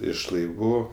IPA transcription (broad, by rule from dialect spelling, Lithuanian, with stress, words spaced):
ɪʃ lˠɐɪˈʋuː